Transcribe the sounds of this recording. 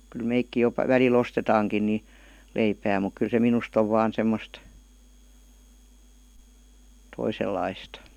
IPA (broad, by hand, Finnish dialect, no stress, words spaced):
kyl meikːi jo ʋælil ostetɑːŋkin ni leipæː muk kyl se minust oʋ ʋɑːn semːost toiselːɑistɑ̥